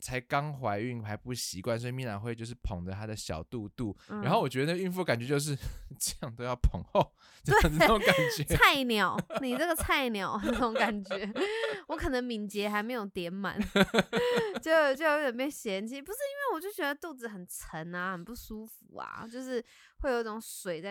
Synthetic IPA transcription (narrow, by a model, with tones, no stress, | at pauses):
t͡sʰa˧˥ɪkɑ˦˥ŋxwa˧˥ɪy˥˩ŋpʰa˧˥ɪpu˥˩ɕi˧˥kwa˥˨ns̬ɔ˧˥i˧mi˥˧na̰˨˩xwt͡ɕjo˥˧ʊʂ̬ɻ̩˥˩pʰo˨˩ŋd̪ə˦t̪ʰa˥d̪ə˨ɕjɑ̰˨˩ʊt̪u˥˧t̪u˥˩ɻ̩˥a˧˥nxo˥˩ʊwɔ˨˩t͡ɕɥɛ˧˥də˧˦n˥˩ɡəy˥˧nfu˥˩ka˨˩nt͡ɕɥɛ˧˦t͡ɕjo˥˧ʊʂ̬ɻ̩˥˧ʈ͡ʂə˥˧jɑ˥˧ŋt̪o˥ʊjɑ˥˩ʊpʰo˨˦ŋxo˥˨ʊ | ʈ͡ʂə˥˧jŋ̩˨˧˥o˧˦ŋka˨˩nt͡ɕɥɛ˨t͡sʰa˥˩ɪnjɑ˨˩˦ʊni˨˩t͡sə˥˩ɡə˩t͡sʰa˥˩ɪnjɑ˨˩˦ʊxn˥˩ʊ˧˦ŋka˨˩nt͡ɕɥɛ˧˦˥wɔ˧˥kʰɤ˨˩nə˧˦ŋmi˧˩nt͡ɕjɛ˧˥xa˧˥ɪme˧ɪjo˨˩ʊt̪jɛ˧˥nma̰˨˦n | t͡ɕjo˥˧ʊt͡ɕjo˥˩ʊjo˧˥˩jɛ˨˩npjɛ˥˩nɕjɛ˧˥nt͡ɕʰi˧˥˩pu˧˦ʂɻ̩˥i˥nwe˥˩ɪwɔ˨˩t͡ɕjo˥˩ʊt͡ɕɥɛ˧˥d̪ə˧t̪u˥˩d͡zɹ̩˨˩xə˨˩nt͡sʰə˧˥na˧xə˨˩npu˥˩ʂu˥fu˨˩˦a̰˧˩t͡ɕjo˥˧ʊʂɻ̩˥˧ | we˥ɪjo˨˩ʊi˥˩ʈ͡ʂʊ˨˧˦ŋswe˨˩ɪ˥˧˩